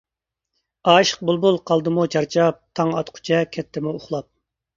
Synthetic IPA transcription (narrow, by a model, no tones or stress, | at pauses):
ɑːʃə̥q̚bulˠbulˠqʰɑlˠd̪ɨmut͡ʃʰɑɾt͡ʃʰɑp̚t̪ʰɑŋɑ̰t̪qʰʊ̥t͡ʃʰɛkʲʰɛt̪ʰːɪmuʊχlˠɑp̚